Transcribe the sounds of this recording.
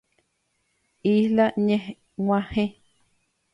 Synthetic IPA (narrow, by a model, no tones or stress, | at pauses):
ihlaɲẽh | wãhẽ